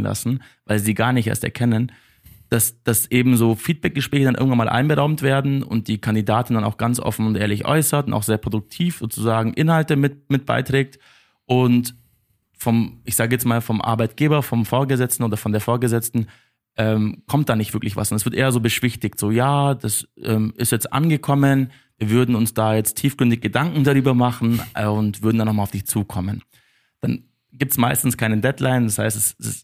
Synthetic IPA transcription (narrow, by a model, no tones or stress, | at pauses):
nla̰sn̩ | vaɪlziːɡaːɐnɪçtḛɐstɛɐkʰɛnən | d̥asd̥asʔeːbm̩zoːfiːt̚b̥ɛk̚ɡ̥əʃpʁ̥ɛːçədanʔɪ̰ɐŋ̩tvanmaːlʔa̰ɪnbəʁaʊmtv̥eːɐdn̩ʊ̰nt̚d̥iːkʰandidaːtn̩danaʊxɡ̥ant͡sʔɔ̰fn̩ʊntʔeːɐlɪçʔɔ̰ʏsɐtʊna̰ʊxzeːɐpʁ̥odʊk̚tʰiːfz̥oːt͡suzaːɡŋ̩ʔɪnhaltəmɪtmɪt̚b̥a̰ɪtʁ̥ɛːk̚t | ʔʊnt | fɔmʔɪçz̥aːɡəjɛt͡smaːlfɔmʔa̰ɐbaɪt̚ɡ̥eːbɐfɔmfoːɐɡəzɛt͡stn̩oːdɐfɔndeːɐfoːɐɡəzɛt͡stn̩ | ʔɛːmkʰɔmt̚d̥aːnɪçtv̥ɪɐklɪçv̥a̰sʔɔnɛsv̥ɪɐtʔeːɐzoːbəʃv̥ɪçtɪçtz̥oːjaːd̥asʔɛ̰ːmʔɪ̰stjɛt͡stʔa̰nɡəkʰɔmən | viːɐvʏɐdn̩ʊnsd̥aːjɛt͡stʰiːfɡ̥ʁ̥ʏndɪçɡ̥ədaŋkŋ̩daʁyːbɐmaχn̩ʊntv̥ʏɐdn̩danːɔʊxmalaʊfd̥ɪçt͡suːkʰɔmən | d̥an | ɡiːp̚tsmaɪstn̩skʰaɪnədɛtlaɪndashaɪstɛsɪs